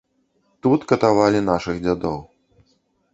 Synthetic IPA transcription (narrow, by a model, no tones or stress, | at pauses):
t̪ut̪kɐt̪avalʲinaʂɨɣd͡zʲad̪ɔw